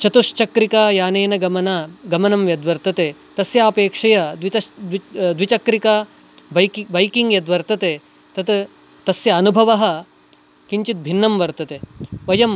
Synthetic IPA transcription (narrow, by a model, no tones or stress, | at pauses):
t͡ʃɐt̪uʂt͡ʃɐkɾikaːjaːneːnɐɡɐmɐnaɡɐmɐnɐmʋjɐd̪ʋɐɾt̪ɐt̪eːt̪ɐsjaːpeːkʂɐjɐd̪ʋitɐd̪id̪ʋit͡ʃɐkɾikaː | bɐbɐjkiŋɡjɐd̪ʋɐɾt̪ɐt̪eː | t̪ɐt̪ | t̪ɐsjɐːnubʱɐʋɐɦɐ̆ | kiɲt͡ʃit̪̚bʱinːɐmʋɐɾt̪ɐt̪eːʋɐjɐm